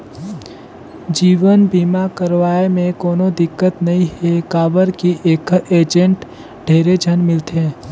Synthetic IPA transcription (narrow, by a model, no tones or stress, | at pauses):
d͡ʒiːʋənbiːmakəɾʋaːemẽkoːnod̪ɪkːət̪nɐɦĩɦekaːbəɾkiʔeːkeːd͡ʒə̃ɳʈ | ɖʱeːɾed͡ʒʱənmɪlt̪ɦɛ̃ː